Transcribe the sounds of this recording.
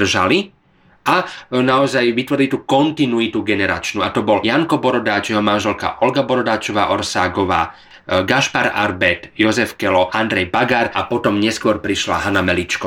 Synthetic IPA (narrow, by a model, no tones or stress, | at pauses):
r̩ʒa̰li | ʔanaɔzajʋit̪ʋɔɾilit̪uːkɔnt̪inuit̪uɡɛnɛɾa̰t͡ʃnuːat̪ɔbɔljaŋkɔbɔɾɔd̪aːt͡ʃjɛɦɔmanʒɛlka̰ʔɔlɡabɔɾɔd̪aːt͡ʃɔʋaːʔɔɾsaːɡɔʋa̰ː | ɡaʃpaɾa̰ɾbɛt̪jɔzɛfkɛlɔʔand̪ɾɛjbaɡaɾapɔt̪ɔmɲɛskʊɔɾpɾiʃla̰ɦanamɛlit͡ʃkɔ